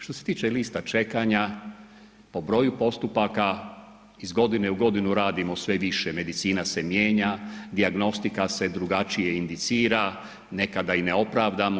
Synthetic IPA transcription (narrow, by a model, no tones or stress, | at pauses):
ʃt̪o̞se̞t̪iːt͡ʃe̞liːst̪at͡ʃe̞kaɲa | po̞bɾo̞jupo̞st̪upaka | izɡo̞d̪ine̞uɡo̞d̪inuɾaːd̪imo̞sʋe̞ʋiʃeme̞d̪it̪siːnase̞mjeːɲad̪iaɡno̞st̪ikase̞d̪ɾuɡat͡ʃije̞ind̪it̪siːɾa | ne̞kad̪aineo̞pɾaːʋd̪amo